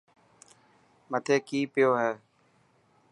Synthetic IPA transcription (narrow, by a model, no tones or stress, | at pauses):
mət̪ʰeːkiːpɪjoːɦɛː